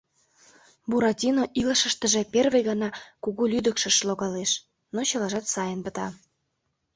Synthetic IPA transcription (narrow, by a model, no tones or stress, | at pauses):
buɾɑtʲinoʔilə̆ʃə̆ʃt̪ə̆ʒĕperβə̆jɣɑnɑkuɣulʲyd̪ə̆kʃə̆ʃloɣɑleʃ | not͡ɕɤ̆lɑʒɑt̪sɑjənpə̆t̪ɑ